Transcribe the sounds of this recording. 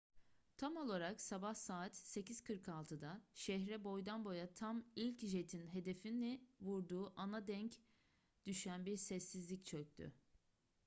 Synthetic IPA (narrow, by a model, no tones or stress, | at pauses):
t̪ʰamo̞lˠaɾaksabahsaːt̪se̞ciz̥kʰɯɾkʰalˠt̪ʰɯd̪aʃɛɦɾɛbo̞jd̪anbo̞jat̪ʰamilʲcʒe̞t̪ʰinɦe̞d̪e̞finːɛvuɾd̪uːʔanad̪ɛɲc | d̪̥yʃænbiɾsɛsːizlʲict͡ʃʰøc̚t̪ʰy̰